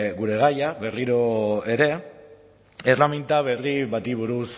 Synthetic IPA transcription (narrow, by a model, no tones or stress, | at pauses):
ɣuɾe̞ɣ̞ajaβe̞riɾo̞eɾe̞ | erlament̪aβ̞e̞riβat̪iβ̞uɾus